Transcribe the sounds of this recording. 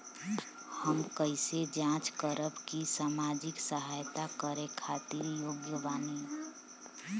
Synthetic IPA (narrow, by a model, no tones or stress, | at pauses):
həmkəɪsed͡ʒãt͡ʃkəɾəbkisaːmad͡ʒɪksəɦajt̪akəɾekʰat̪iɾjoːɡjəʋaːni